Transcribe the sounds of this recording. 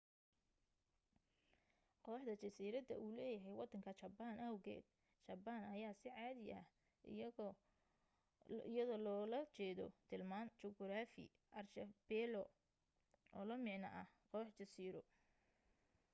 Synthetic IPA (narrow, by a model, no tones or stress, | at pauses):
qɔħd̪ɐt͡ʃɐsiːɾɐd̪ɐ̰ʔuːlɛːjɐɦɛjwɑd̪ːɐŋkʰɐt͡ʃɐbaːnɐwɣɛ̰ːd̪̥̚ | t͡ʃɐbaːnɐjaːsɪʕɑːðɪɐ̰ | ɪjɐðɔːlɔːlɐt͡ʃɛːðɔ̰t̪ʰɪlmaːnt͡ʃɔɡɾaːfɪ̰ | ʔɐrʃɐb̥ɛːlɔ | ʔɔːlɐmɪʕnɐ̰ʔɐhqɔħt͡ʃɐsiːɾɔ